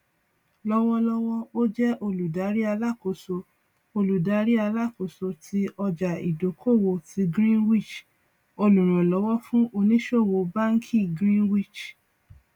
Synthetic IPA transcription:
lɔ˦wɔ˧lɔ˦wɔ˦o˦d͡ʒɛ˦ʔo˧lu˨da˨˦ɾi˦a˧la˦˨ko˨so˧ | o˧lu˨da˨˦ɾi˦a˧la˦˨ko˨so˧tʰi˧˦ɔ˧d͡ʒa˨ḭ˨do˨kʰo˦˨wo˧ti˧ɡɾĩ˦nwi˦˨t͡ʃ | o˧lũ˨ɾ̃ũ˨lɔ˨˦wɔ˦fũ˦ʔo˧nĩ˦ʃo˦˨wo˧ba˦ŋ̩˦kʰi˦˨ɡɾĩ˦nwi˦˨t͡ʃ

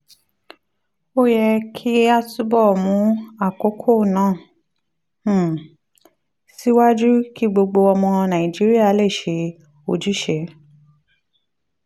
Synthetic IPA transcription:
o˦jɛ˧kʰi˦a˦tu˦bɔ˦˨mũ˨˦a˦˨ko˨˦kʰo˦˨nã˨˦˨ | si˦wa˦d͡ʒu˦ki˦ɡ͡bo˧ɡ͡bo˧ɔ˧mɔ̃˧nã˨ĩ˨d͡ʒi˦ɾi˦a˦˨le˦˨ʃe˨˧ | o˦˨d͡ʒu˨˦ʃe˨˦

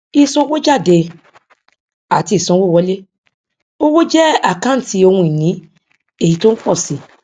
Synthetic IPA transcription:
i˧sɔ̃˧˦wo˦d͡ʒa˦˨de˧ | a˨ti˧i˨sɔ̃˧˦wo˦˨wɔ˨˧˦le˦ | o˦wo˦d͡ʒɛ˦a˦˨kã˦ti˧˦o˧hũ˧i˨nĩ˨˦ | e˦˨i˨˦to˦n̩˦k͡pɔ˦˨si˨˦

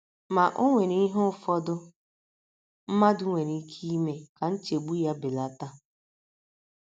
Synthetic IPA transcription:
ma˨ʔo˦ŋʷe˨ni˦ɦʊ˦ʊ˦fɔ˦dʊ˦ | m̩˦ma˦dʊ˦ŋʷe˨ni˦kʰi˦i˦me˦ka˨n̩˦t͡ʃe˨ɡ͡bu˦ja˦bɪ˨la˨ta˦

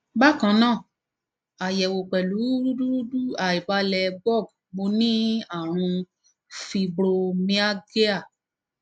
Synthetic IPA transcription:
ba˦kã˧nãː˦˨ | a˨jɛ˨wo˨k͡pɛ˨lu˨˦ɾu˦du˦ɾu˦du˦a˨i˨ba˧lɛ˧bɔ˦˨ɡ | mo˧˦nĩ˦a˦˨ɾ̃ũ˧ | fi˧bɾo˧mĩ˦a˦ɡe˦a˦˨

